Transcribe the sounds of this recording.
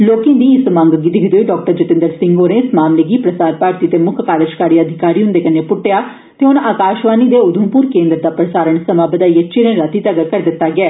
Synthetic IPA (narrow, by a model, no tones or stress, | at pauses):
loːkẽːd̪iːɪsmãːŋɡɡid̪ɪkʰd̪oːɖɔːk̚ʈəɾd͡ʒɪt̪ɪ̃nd̪əɾsɪ̃ŋɡoːɾẽːsmaːmleːɡiːpɾəsaːɾpaːɾt̪iːt̪eːmʊkʰkaːɾɪʃkaːɾiːəd̪ʱɪkaːɾiːɦʊ̃nd̪eːkənːeːpʊʈːejaː | t̪eːɦʊnaːkaːʃʋaːniːd̪eːʊd̪ʱəmpuːɾkẽːnd̪ɾd̪aːpɾəsaːɾəɳsəmaːbəd̪aːiːət͡ʃeɾə̃ːɾət̪iːt̪əɡəɾkəɾd̪ɪt̪ːaːɡɪɛː